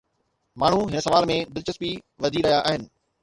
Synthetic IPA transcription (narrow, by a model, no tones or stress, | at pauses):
maːɳ̤uɦɪnə̆sɐʋaːlmẽd̪ɪlt͡ɕəspi | ʋɐd̪ʱiɾɐɦijaʔaːɦɪnɪ̆